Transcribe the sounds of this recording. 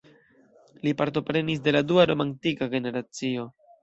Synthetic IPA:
lipaɾto̞pɾe̞nis̬de̞laduaɾo̞mantikaɡe̞ne̞ɾat͡sio̞

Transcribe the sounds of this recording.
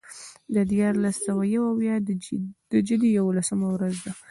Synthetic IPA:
d̪əd̪jɑɾlasːawajawawjɑ | d̪əd͡ʒəd̪ijawolasəmawɾazd̪a

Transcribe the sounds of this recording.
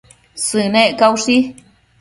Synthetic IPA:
sɨneʔkawʂi

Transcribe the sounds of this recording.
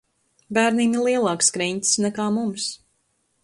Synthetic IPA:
bæːɾniːmilˠiɛlˠɑːkskɾɛɲʲt̪ʲsnɛkaːmums

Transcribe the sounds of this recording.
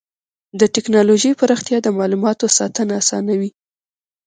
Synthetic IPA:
d̪əʈɪknɑloʒejpəɾaxt̪jɑd̪əmɑlumɑt̪osɑt̪ənaːsɑ̰nawi

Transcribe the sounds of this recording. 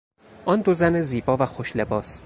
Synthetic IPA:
ʔɒnd̪ozæneziːbɒːvæxoʃle̞bɒːs

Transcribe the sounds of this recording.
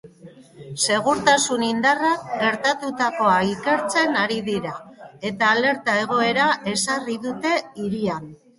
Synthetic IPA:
se̞ɣ̞uɾt̪asunind̪arakɡe̞ɾt̪at̪ut̪ako̞aike̞ɾt͡se̞naɾiðiɾae̞t̪aːle̞ɾt̪ae̞ɣ̞o̞e̞ɾaʔe̞sariðut̪e̞iɾian

